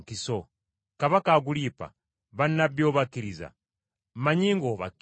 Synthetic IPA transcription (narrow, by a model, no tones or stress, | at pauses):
kiso | kaβakaːɡulipa̰ | βanːabjo̞ːβakːiɾiza̰ | mmaɲiːŋɡoːβa̰k